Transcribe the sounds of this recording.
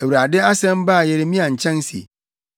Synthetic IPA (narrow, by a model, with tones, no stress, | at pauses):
æ˨wu˨ɾa˨dɪ˦a˦sɛ̃˦m˦ba˦˨jɛ˨ɾɪ˦mĩ˦a˨ɲ̩˨t͡ɕʰɛ̃˦n˦si˨e˨